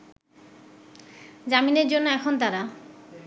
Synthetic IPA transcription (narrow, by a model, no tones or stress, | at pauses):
d͡ʑamineɾd͡ʑonːoɛkʰont̪̬aɾa